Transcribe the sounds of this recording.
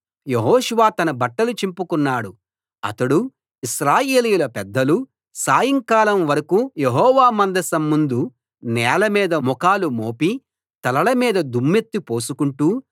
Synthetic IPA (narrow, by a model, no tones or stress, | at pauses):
jeɦɔːʃuʋaːt̪ɐnɐbɐʈːɐlut͡ʃimpukunːaːɽu | ɐ̰t̪ɐɽu | iʃɾaːjeːlijulɐpɛd̪ːɐlu | saːjɐŋkaːlɐmʋɐɾɐkujeɦɔːʋaːmɐnd̪ɐsɐmːund̪u | nɛːlɐmiːd̪ɐmɔkaːlumoːpi | t̪ɐlɐɭɐmiːd̪ɐd̪umːet̪ːipo̞ːsukuɳʈuː